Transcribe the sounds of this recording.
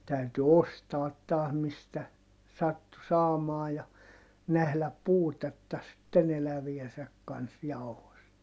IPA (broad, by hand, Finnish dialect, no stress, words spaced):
tæyty ostɑːt tɑːh mistæ sɑtːu sɑːmɑː jɑ næhlæp puːtetːɑ sitːen elæʋiesæk kɑns jɑu̞host